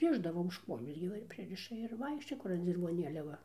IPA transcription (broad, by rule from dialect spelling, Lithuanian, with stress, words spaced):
ˈrʲɪʒdɐʋoː ʊʃ ˈkuɔjoːs ɡʲɪ ˈʋɐ ɪr ˈpʲrʲɪrʲɪʃɐ ɪr ˈʋɐɪkʃʲt͡ʃʲoːjɛ ˈkʊr ɐn d͡zʲɪrʋoːˈnʲeːlʲɛ ˈʋɐ